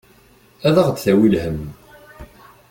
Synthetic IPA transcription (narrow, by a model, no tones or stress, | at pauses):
æðəʁt͡sθæwilhəm